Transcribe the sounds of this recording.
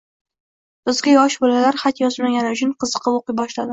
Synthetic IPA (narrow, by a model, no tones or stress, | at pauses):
b̥ɪzɡʲajɒʃbolalaɾχat̪jɒzmaɡʲanʊt͡ʃʰʊnqʰɨzɨqʰɨpoqɨbɒʃlad̪ɪ